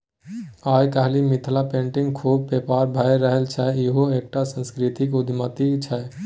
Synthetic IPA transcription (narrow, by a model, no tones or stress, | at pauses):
ajkaɦlimit̪ʰlapẽːɳʈɪŋɡkʰuːb̚pepaːɾbʱajɾəɦəlt͡ʃʰɛiɦoeːk̚ʈasə̃nskɾit̪ikʊd̪ʱmət̪it͡ʃʰɛ